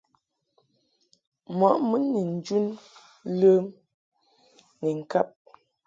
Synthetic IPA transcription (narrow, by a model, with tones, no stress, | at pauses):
mɔ˨˦ʔmə˦ni˨n̩˨d͡ʒu˦n | lə˦m | ni˨ŋ̩˨ka˦p̚